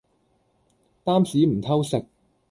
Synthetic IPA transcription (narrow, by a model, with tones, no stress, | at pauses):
t̪aː˥msiː˨˥m̩˨˩t̪ʰɐ˥wsɪ˨k̚